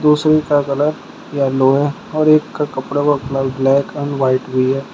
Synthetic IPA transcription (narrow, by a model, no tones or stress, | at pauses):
d̪uːsɾekakɐləɾ | jaloːɦɛ | ɔːɾeːkːakɐpɽabɐkləblɛːkɛɳɖʋaːɪʈɦʊiɦɛː